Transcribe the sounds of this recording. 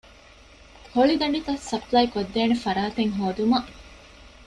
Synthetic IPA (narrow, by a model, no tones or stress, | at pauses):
hoɭid̪ɐɳɖit̪ɐsːɐplɐjkod̪ːeːnefɐɾaːt̪eŋɦoːd̪umɐʔ